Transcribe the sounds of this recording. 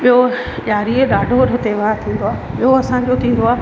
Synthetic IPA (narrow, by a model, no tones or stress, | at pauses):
ɓijo | ʄaːɾieɗaːɖʱoɾɦɪt̪eʋaːt̪ʰĩːn̆d̪oaːɓiɦoɐsãɲd͡ʑoːt̪ʰĩːn̆d̪oaː